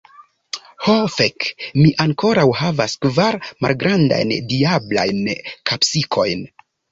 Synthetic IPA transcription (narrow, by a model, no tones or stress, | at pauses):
hofekmiʔaŋko̞ɾawhavaskvaɾma̰lɡɾanda̰jndiabla̰jnkʰapsikʰo̞jn